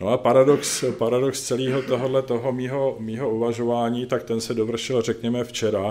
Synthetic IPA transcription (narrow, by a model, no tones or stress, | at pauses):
noapaɾadokspaɾadokst͡sɛliːɦo̞t̪o̞ɦodlɛt̪o̞ɦo̞miːɦo̞miːɦo̞uvaʒo̞vaːɲiːt̪ak̚t̪ɛnsɛdovr̩ʃɪlrɛkɲɛmɛft͡ʃɛɾa